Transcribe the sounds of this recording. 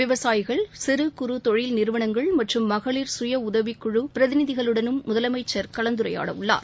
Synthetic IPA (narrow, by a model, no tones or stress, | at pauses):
ʋɪʋɐsaːjɪɣɐɭsɪɾɯkʊɾut̪ɔɻɪlnɪɾɯʋɐɳɐŋɡɐɭmɐʈrɯmːɐɣɐɭiɾsʊjɐʊðɐʋikːʊɻupɪɾɐðɪnɪðɪɣɐɭɯɽɐnɯmːʊðɐlɐmɐɪt͡ʃːɐɾkɐɭɐnd̪ɯɾɐja̰ːɽɐ̰ʋɯɭːa̰ːɾ